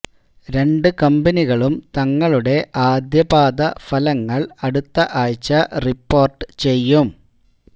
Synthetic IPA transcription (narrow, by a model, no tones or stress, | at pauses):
ɾe̞ɳɖɨkɐmbɐniɣɐɭumt̪ɐŋːɐɭuɽe̞ʔaːd̪jɐbaːd̪ɐfɐlɐŋːɐɭɐɽut̪ːɐʔaːjt͡ɕːɐripːo̞ːrʈɨ̥t͡ɕe̞jːum